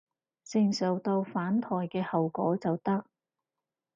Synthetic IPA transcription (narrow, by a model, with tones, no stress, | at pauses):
sɪ˨˩ŋsœ˨˩wt̪o˧wfaː˨˥nt̪ʰɔː˨˩jkɛː˧hɐ˨wkɔ̰ː˨˥t͡sɐ˨wt̪ɐ˥k̚